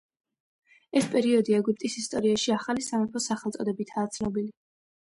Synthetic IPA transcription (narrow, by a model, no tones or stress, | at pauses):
ɛspʼɛɾiɔd̪iaɛɡup̚ʼt̪ʼisist̪ʼɔɾiaʃiaχalisamɛpʰɔsaχɛlt̪sʼɔd̪ɛbit̪ʰaːt̪sʰnɔbili